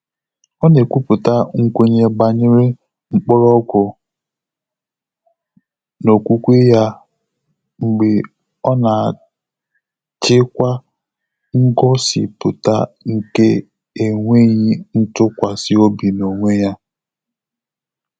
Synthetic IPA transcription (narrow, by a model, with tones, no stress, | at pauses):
ɔ˦ne˨kʷu˦pʊ˨ta˦ŋ̩˦kʷe˦ɲe˨ɡ͡ba˨ɲɪ˦ɾɪ˦ | ŋ͡m̩˦k͡pɔ˦ɾɔ˦ɡʊ˨ | no˨kʷu˦kʷe˦ja˦ | ŋ͡m̩˨ɡ͡be˨ | ɔ˦na˨ | t͡ʃɪ˦kʷa˦ | ŋ̩˦ɡɔ˦sɪ̰˨pʊ̰˨ta̰˦ŋ̩˨ke˦ | e˨ŋʷe˦ɲi˦n̩˦tʊ˦kʷa˨sɪ˦o˦bi˨no˨ŋʷe˦ja˦